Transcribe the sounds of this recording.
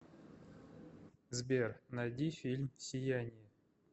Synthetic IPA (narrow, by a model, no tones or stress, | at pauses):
zbʲernad̪ʲifʲilʲmsʲɪjanʲɪjə